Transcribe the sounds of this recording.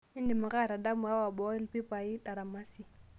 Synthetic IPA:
ɪ˦ndɪ˨ma˨ɣa˦˨ɾa˨da˦mu˨a˦wa˨bɔ˦ɛ˦lpi˦pa˨i˦ta˨ɾa˨ma˦si˦

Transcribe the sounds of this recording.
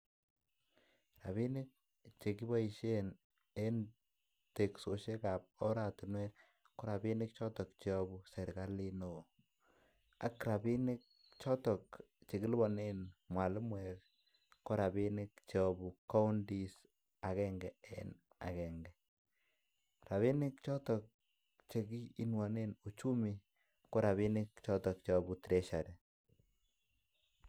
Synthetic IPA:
ɾa˨βi˦nɪ˦k̚ | t͡ʃe˨ki˦bɔ˦i˨ʃe˦n | e˦n | te˨kso˨ʃe˦ka˨p̚ɔ˦ɾa˨tɪ˨nwe˦t | ko˦ɾa˨bi˦nɪ˦k̚t͡ʃɔ˦tɔ˨k̚t͡ʃe˨ɔ˨bu˨sɛ˨ɾka˦li˦no˨ | a˨˦kɾa˨bi˦nɪ˦k̚ | t͡ʃɔ˦tɔ˨kt͡ʃe˨ki˦lbɔ˨ne˦nmwa˨lɪ˦mwɛkː | o˦ɾa˨bi˦nɪ˦kt͡ʃeɔ˦bu˨ka˦u˦ndi˦s | a˨kɛ˦ŋɡɛ˨ɛ̰n | a̰˨kɛ˨ŋɡɛ˨ | ɾa˨βi˦nɪ˦kt͡ʃɔ˦tɔ˨k̚ | t͡ʃe˨ɡiː˦nwɔ˨ne˦nu˨t͡ʃu˦mi˦ | ko˦ɾa˨βi˦nɪ˦kt͡ʃɔ˦tɔ˨k̚t͡ʃɔ˦bu˨tɾɛʃa˨ɾɛ˨

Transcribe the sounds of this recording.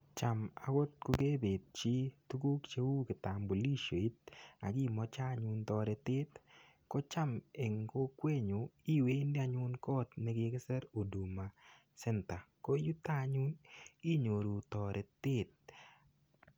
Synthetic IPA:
t͡ʃa˨ma̰˨wo˦t̪̚ko˧ɡe˦be˨t̚t͡ʃi˦tu˦ɡo˦kt͡ʃe˦wu˦kɪ˨t̪a˨mbo˨li˦ʃo˨i˦t̪̚a˨ɡi˦mɔ˦t͡ʃa˦ɲʊ˧nt̪ɔ˨ɾɛ˨tɪ˦t̪ | kɔ˦t͡ʃa˦me˨ŋko˦kwe˦ɲo˨i˦we˦ndɪ˦a˨ɲʊ˦nkɔ˦tnɛ˨˦ɡe˦ke˦sɛ˦ɾo˨du˨ma˨ | sɛ˦nta˨ko˦ju˦t̪a˦ɲu˦ni˦ɲo˨ɾo˨t̪ɔ˨ɾʔɛ˨tɪ˦t̪̚

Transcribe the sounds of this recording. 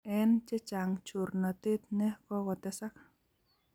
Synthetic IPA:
ɛ˦nt͡ʃe˦t͡ʃa˨ŋt͡ʃu˨rna˨t̪e˦t̪̚nɛ˦kɔ˦kɔ˨t̪ɛsa˦k̚

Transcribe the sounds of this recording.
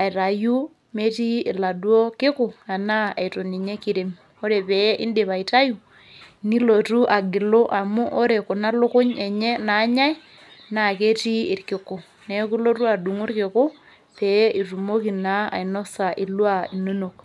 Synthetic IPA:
a˨i˨ɾa˨ju˦ | me˦ti˦i˨la˨dwo˦kɪ˦ku˨na˨na˦a̰˨i˨to˨ni˨ɲe˦ki˦ɾe˨m | o˦ɾe˨pɛ˨˦ʔḭ˦nde˨βa˨ita˦ju˨ | ni˦lo˨tu˦ʔa˨ɡi˨lo˦ʔa˨mu˦ʔo˦ɾe˨ku˨na˦lʊ˦kʊ˦ɲe˨ɲe˦na˨˦ɲa˦i˦ | na˨ke˦tiː˦˨ɾkɪ˨ko˨ | ne˨˦ku˦lo˦tu˦a˨du˨ŋu˦ɾkɪ˨ku˦ | pɛ˨˦i˨ru˨mo˦ki˨na˦a̰˨i˨no˦sa˨ʔi˨lwa˦i˨no˦no˨k

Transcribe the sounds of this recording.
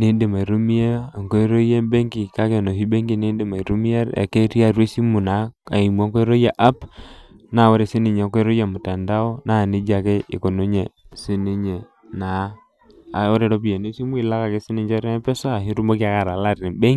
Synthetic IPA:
ne˦nde˨ma˨i˨ɾu˦mi˦e˦a˨ŋko˦ɾo˦je˦mbe˦ŋɡi˨ka˦ke˨no˨ɦi˦be˦ŋɡi˨ne˦nde˨ma˨i˨ɾu˦mi˦a˦ɾa̰˨ke˦ɾi˦a˦˨ɾe˦si˦mu˨na˨˦a̰˨i˨m˨a˦ŋke˦ɾo˦ja˨ʔa˦p | na˨wo˦ɾe˨si˦ni˨ɲe˨˦ke˦ɾo˦ja˨mu˨ta˨nda˦o˦na˦˨ni˦d͡ʒa˨ke˦ɪ̰˨ko˨no˦ɲe˨si˦ni˦ɲe˨ | na˨˦˨ | o˦ɾe˨ɾo˦bi˨je˨ne˦si˦mu˦i˨la˦ka˨ke˦si˦ni˦ɲd͡ʒa˦ɾe˦pɛ˦sa˦a˨ɦi˦ɾu˦mo˦ki˦a˦ka˨ɾa˨la˦˨ɾe˨be˦

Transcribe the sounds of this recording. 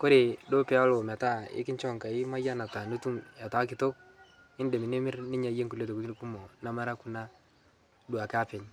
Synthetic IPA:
ko˦ɾe˨do˦pɛ˨˦a˦lo˨ma˨ta˦ɪ̰˦kɪ˦ɲt͡ʃɔ˦˨ŋka˨ɪ˦ma˦ja˦na˨ta˨nu˦tu˦mja˨ta˨˦kɪ˨to˦k̚ | ɪ˦nde˨mɪ˨nɪ˦mɪ˦ɾnɪ˦ɲa˨˦je˦ŋku˨le˦to˨ku˦ti˦ku˦mɔ˨na˨˦ma˦ɾa˦ku˦na˦ | du˨a˨ka˦pɪ˨ɲ

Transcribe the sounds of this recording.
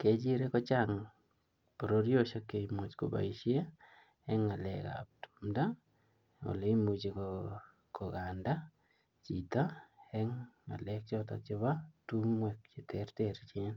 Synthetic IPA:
ke˨d͡ʒi˦ɾe˦kɔ˦t͡ʃaŋ | po˨ɾo˦ɾjo˦ʃa˦ke˨imu˨t͡ʃko˨ba̰˨iʃe˦ | ɛ˦ŋa˨lɛ̰ka̰p̚tu̥mda˦ | o̰˨le˦i˦mu˨t͡ʃi˨ko | kɔ˨ɡanda˦ | t͡ʃi˨ta˦ɛŋa̰˨lɛk̚t͡ʃɔ˦ta̰˨t͡ʃɪ˦ba˦tumwɛ˨k̚t͡ʃi˨tʰɛrteɾt͡ʃɪ˦n

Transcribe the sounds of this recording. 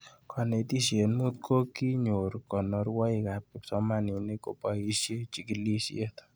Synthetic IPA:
kʰɔ˨ne˨ti˦ʃje˨nmu˦t̚kʰo˦ki˦ɲo˨ɾkɔ˨nɔ˨˧rwa˦i˨ka˨p̚kɪ˨psɔ˦ma˦ni˨ne˦ko̰˨pa˨i˨ʃje˦t͡ʃi˨ki˨li˦ʃje˦t̪

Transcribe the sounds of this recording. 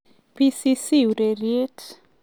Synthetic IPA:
pi˦si˦si˦u˨ɾe˨ɾje˦t

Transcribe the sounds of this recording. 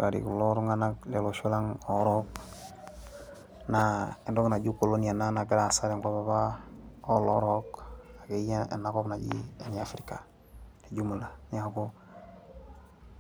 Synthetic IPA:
a˨ɾḭ˨ku˨lo˦ɾu˦ŋa˦na˦kle˨lo˨ʃu˦la˦ŋo˨˦ɾo˦k̚ | na˦e˨ndo˦kna˨ɟu˦ko˨lo˦ni˨a˨na˦na˨ɡa˦ɾa˨sa˦ɾe˨ŋko˦ba˨ba˦o˦lo̰˦ɾo˦ka˨ke˨˦ja˦ḛ˨nːa˨ko˦bna˨ɟḭ˦e˨na˦fɾi˦ka˨ | ni˨ɟu˦mu˨la˨ɲ˦a˨ko˦

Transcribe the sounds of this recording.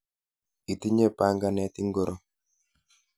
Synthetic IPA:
i˨t̪i˦ɲe˦pa˦ŋɡa˦˨nɛ˨t̪i˦ŋɡo˦ɾʔo˦

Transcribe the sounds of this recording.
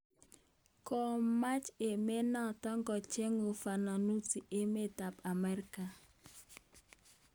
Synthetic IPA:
kɔ˨ma˦t͡ʃe˨me˦na˦˨tɔ˦ŋɡɔ˨t͡ʃe˦ŋo˨fa˨na˨nu˦ti˨ʔe˦me˦˨ta˨pa˨mɛ˦ɾi˦ka˨

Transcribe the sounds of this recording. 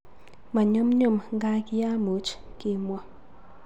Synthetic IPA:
ma˨ɲo˦mɲo˦˨mŋɡa˦ki˦ja˦mo˨˦t͡ʃkɪ˦mwɔ˨

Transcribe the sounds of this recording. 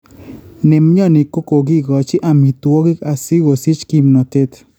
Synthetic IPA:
nɪ˨m˦ɲɔ˦˨nɪ˨ko˦ko˨ɡɪ˦ɡɔ˨t͡ʃɪ˦ʔa˨mi˨t̪wɔ˦ɡɪ˦ka˨sɪ˦wo˨sɪ˦t͡ʃki˦mnɔ˨te˦t

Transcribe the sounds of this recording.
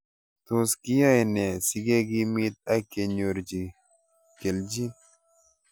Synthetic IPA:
t̪o˨ski˦ja˦jnɛ˨si˨ɡe˦ɡi˦mi˦t̪̚a˦ke˨ɲo˨ɾd͡ʒi˨ | ke˨ld͡ʒi˦

